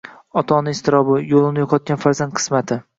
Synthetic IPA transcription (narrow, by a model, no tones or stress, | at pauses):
ɒt̪ʰɒnɪɪst̪ɪɾɒbɪjolˠɪnɪjoqʰɒt̪̚ɡʲanfaɾzand̪̚qʰɨ̥smat̪ʰɪ